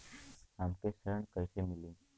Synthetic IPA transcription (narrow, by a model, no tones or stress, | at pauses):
amkesəɾəɳkəjsemilĩː